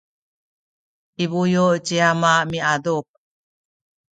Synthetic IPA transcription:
ʔiβujot͡ɕiamamiaduk̚

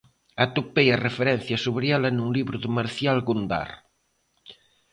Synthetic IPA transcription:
at̪opejɐrefeɾɛnθjɐsuβɾiɛlɐnuŋliβɾʊðɪmaɾθjalɣund̪a̰ɾ

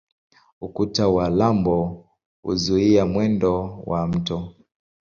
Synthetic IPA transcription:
ukutawalambɔ | ṵzuiamwɛndɔwam̩tɔ

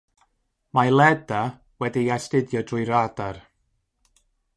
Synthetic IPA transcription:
malˠɛda | wɛdiastɪdjɔdrʊjɾadar

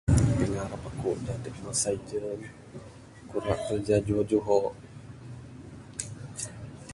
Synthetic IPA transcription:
piŋaɾapakuʔd͡ʒat̪əkmasaid͡ʒən | kuɾaʔ̚k̪ərd͡ʒad͡ʒuɔd͡ʒuɦɔʔ

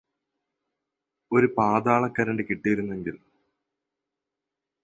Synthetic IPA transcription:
o̞ɾupaːd̪aːɭɐkːɐɾɐɳɖɨkiʈːijɐɾunːe̞ŋɡil

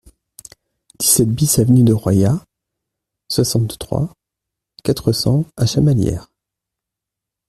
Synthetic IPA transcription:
d̪̥isɛt̪̚bisavnyd̪əʁwaja | swasɑ̃t̪t̪χwa̰ | kat̪χəsɑ̃aʃamaljɛ̰ːʁ

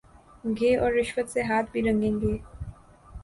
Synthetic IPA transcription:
ɡʱeːʔɔːɾːɪʃwət̪seɦaːt̪̚ʰbʱiɾɐ̃ŋɡẽːŋɡeː

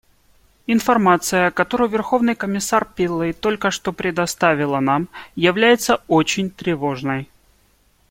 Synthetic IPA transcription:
ɪnfɐrmat̪sɨjəkɐt̪o̞ɾʊjvʲɪrxo̞vnɨjkəmʲɪsarpʲɪlˠːɨjt̪o̞lʲkəʂt̪o̞pɾʲɪd̪ɐst̪avʲɪlˠənamjɪvlʲæjɪt̪səot͡ɕɪnʲt̪ɾʲɪvo̞ʐnəj

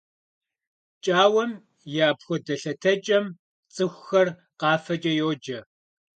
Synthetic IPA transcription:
t͡ʃʼaːwɐm | jaːpxʷɔdɐɬɐtʰɐt͡ʃʼɐm | t͡sʼɨxʷxɐr | qɑːfɐt͡ʃʼɐjoːd͡ʒɐ

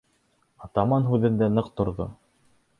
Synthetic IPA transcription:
ɑt̪ɑmɑnɦʉðɘ̆nd̪ænɤqt̪ŏɾðo̰

